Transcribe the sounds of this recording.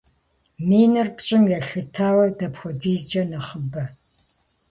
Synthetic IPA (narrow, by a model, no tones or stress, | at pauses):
miːnɨrpt͡ʃʼɪmjɛɬɨtʰaːwɐdɐpxʷɔdiːzd͡ʒɐnɐχəbɐ